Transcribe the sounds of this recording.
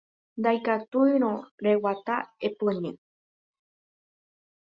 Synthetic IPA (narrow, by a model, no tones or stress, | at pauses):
nd̪ajkat̪uɨɾ̃õɾewat̪aepɨɲẽ